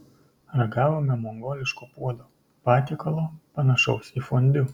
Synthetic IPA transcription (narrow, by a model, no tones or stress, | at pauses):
ɾɐɡɑːʋoːmʲɛmoːŋɡoːlʲɪʃkoːpuɔd̪oː | pɑːt̪ʲiːkɐlˠoːpɐnɐʃɒʊsifonʲd̪ʲʊ